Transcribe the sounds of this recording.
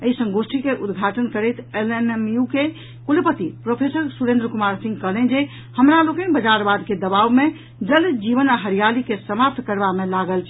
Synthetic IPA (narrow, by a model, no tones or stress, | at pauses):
əisə̃ŋɡosʈʰikeʔud̪ɡʱaʈənkəɾəjt̪ʰelememjuke | kulpət̪ipɾopʰesəɾsuɾẽnd̪ɾəkumaɾsĩŋɡkəɦlend͡ʒe | həmɾalokenbəd͡ʒaɾbad̪ked̪əbawme | d͡ʒəld͡ʒiʋənaɦəɾijalikesəmap̚t̪ʰkəɾbamelaɡəlt͡ʃʰ